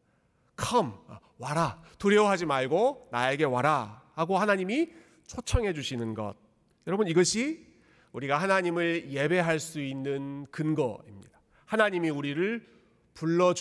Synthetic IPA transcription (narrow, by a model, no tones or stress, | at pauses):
kʰʌm̰ | waɾatuɾjeoɦad͡ʑimaɭɡonae̞ɡe̞waɾahaɡohanaɲimi | t͡ɕʰot͡ɕʰʌŋɦe̞d͡ʑuɕʰinɯnɡʌ̰d̚ | jʌɾʌbɯniɡʌɕʰi | uɾiɡahanaɲimɯɭje̞be̞ɦaɭs͈uinːɯnkɯnɡʌ̰ḭmɲḭd̥ḁ | hanaɲimiuɾiɾɯɭ | puɭːʌd͡ʑ